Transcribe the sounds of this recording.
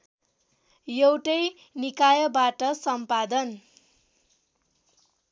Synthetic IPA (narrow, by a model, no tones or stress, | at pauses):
jewʈʌj | nikajʌbaʈʌsʌmpad̪ʌn